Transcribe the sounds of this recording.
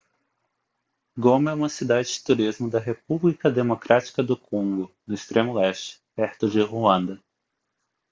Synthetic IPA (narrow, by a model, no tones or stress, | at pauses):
ɡomɛũmɐsid̪ad͡ʒɪd͡ʒɪt̪uɾizmʊd̪ɐɦep̚ublikɐd̪emokɾʔat͡ʃi̥kɐd̪ʊkʰõŋɡʊnʊist̪ɾʔẽmʊɛst͡ʃɪ̥pɛɾt̪ʊd͡ʒɪɦuɐ̃nd̪ɐ